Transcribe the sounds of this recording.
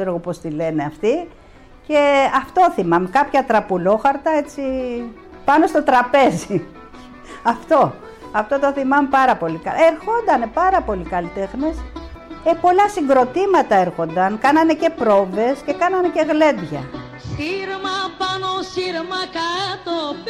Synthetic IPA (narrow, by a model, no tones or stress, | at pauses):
eɾo̞ɣo̞po̞st̪ile̞neɐft̪i | ce̞ɐft̪o̞θimɐmekɐpçɐt̪ɾɐpulo̞xɐɾt̪ɐe̞t͡si | pɐno̞st̪o̞t̪ɾɐpe̞zi | ɐft̪o̞ | ɐft̪o̞t̪o̞θimɐmepɐɾɐpo̞likɐleɾxo̞nd̪ɐnepɐɾɐpo̞likɐlit̪e̞xnesepo̞lɐsiŋɡɾo̞t̪imɐt̪ɐe̞ɾxo̞nd̪ɐŋkɐnɐne̞ce̞pɾo̞ve̞sce̞kɐnɐnece̞ɣle̞d̪ʝɐ | siɾmɐpɐnosiɾmɐkat̪o